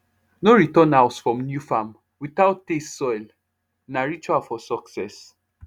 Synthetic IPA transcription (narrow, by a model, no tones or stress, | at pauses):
noɹitɔ̃nawsfɹɔ̃mnjufam | witaʊtːessɔjl | naɹit͡ʃuafɔsɔksɛs